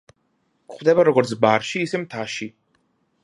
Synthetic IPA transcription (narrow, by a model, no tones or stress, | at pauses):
kχwd̪ɛbaɾɔɡɔɾt̪sʰbaɾʃiːsɛmt̪ʰaʃi